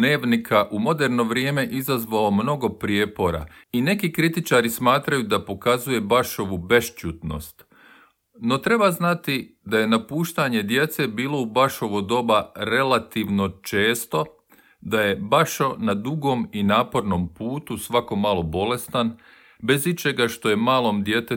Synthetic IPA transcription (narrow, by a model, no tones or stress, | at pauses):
neːʋnikʰaʔumo̞d̪eɾno̞ʋɾjeːme̞ʔizazʋaomno̞ɡo̞pɾijepo̞ɾa̰ine̞kikɾit̪it͡ʃaɾismaːt̪ɾajud̪apo̞kazuje̞baʃo̞ʋube̞ʃt͡ʃuːt̪no̰st̪ | no̞t̪ɾe̞baznat̪id̪aje̞napuːʃt̪aɲe̞d̪je̞t̪se̞biːlˠo̞ubaʃo̞ʋod̪o̞baɾe̞lat̪iʋno̞t͡ʃe̞ːst̪o̞ | d̪aje̞baʃonad̪uɡo̞minaːpo̞ɾno̞mpuːt̪usʋako̞malˠo̞bo̞le̞st̪an | be̞zit͡ʃe̞ɡaʃt̪o̞je̞maːlˠo̞md̪je̞t̪e